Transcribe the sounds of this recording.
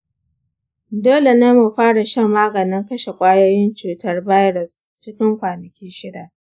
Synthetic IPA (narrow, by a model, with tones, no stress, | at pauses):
doː˦le˨ne˦mːu˨ɸaː˦ɽa˨ʃɐ˦mːaː˦ɡɐ˨nɪ˦ŋkɐ˦ʃe˨kʷʼaː˦joː˦jɪ˦nt͡ʃuː˨tɐ˦rba˦jɾʊ˨s | t͡ʃɪ˦kʲɪ˦ŋkʷaː˨nɐ˨kʲiː˦ʃɪ˦daː˨